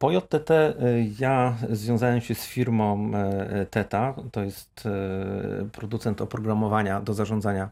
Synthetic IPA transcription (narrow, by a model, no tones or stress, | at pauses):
pɔjɔt̪ːɛt̪ɛjazvʲjɔ̃w̃zawɛmɕɛsfʲiɾmɔ̃ | t̪ɛt̪at̪ɔjɛst̪ | pɾɔd̪ut̪sɛnt̪ɔpɾɔɡɾamɔvaɲad̪ɔzaʐɔnd̪zaɲa